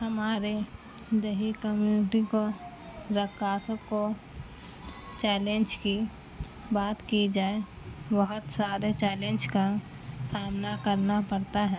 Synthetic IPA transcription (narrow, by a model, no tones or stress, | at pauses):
hɐmaːɾe | d̪eɦikəmjunɪʈiko | ɾəkːaːsəko | t͡ʃɛːlẽnd͡ʒki | baːt̪kid͡ʒaːe | bəɦʊt̪saːɾet͡ʃɛːlẽːnd͡ʒka | saːmnakəɾnapɐɽt̪aɦɛː